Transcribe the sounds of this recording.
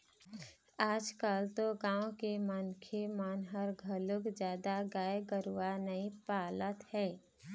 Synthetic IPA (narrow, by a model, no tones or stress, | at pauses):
aːd͡ʒkəlt̪oɡãːõkemənkʰemənɦəɾɡʱəlʊkd͡ʒjaːd̪aɡaːjeɡəɾuwanəĩpaːlət̪hɛː